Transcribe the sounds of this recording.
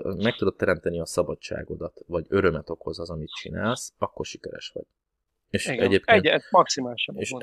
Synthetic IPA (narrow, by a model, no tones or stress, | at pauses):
mɛk̚t̪ud̪o̞t̪ːɛɾɛmt̪ɛniɒsɒbɒt͡ʃt͡ʃːa̰ːɡo̞d̪ɒt̪vɒɟø̞ɾømɛt̪o̞ko̞zɒzɒmit̪̚t͡ʃina̰ːlsɒkːo̞rʃi̥kɛɾɛ̰ʃʋɒ̰ɟ | eːʃɛɟeːpkenmɒksimaːlʃeʃ